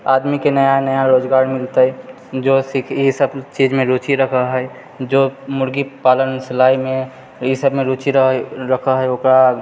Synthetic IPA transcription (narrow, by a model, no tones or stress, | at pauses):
aːd̪mikenəjanəjaɾoːd͡ʒɡaːɾmɪlt̪aɛ | d͡ʒoːsikʰisəbt͡ʃid͡ʒmẽɾot͡ʃiɾəkʰaɦɛ | d͡ʒoːmʊɾɡipaːlənsɪlaːimẽ | isəbmẽɾot͡ʃiɾəkʰaɦɛokɾa